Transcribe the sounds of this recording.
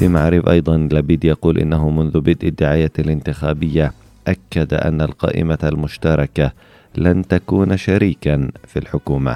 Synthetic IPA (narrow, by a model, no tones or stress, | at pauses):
fimaʕɾɪbʔɑjd̪ˤɑnlabiːd̪jɑquːlʔɪ̰nːaɦʊmʊnðʊbɪd̪ʔɪd̪ːɪʕaːjaːalɪnt̪ɪxaːbɪjːa | ʔakːad̪aʔa̰nːalqɑ̰ːʔɪ̰malmʊʃt̪ɑɾˤɑka | lant̪akuːnʃaɾiːkanfilħʊkuːma̰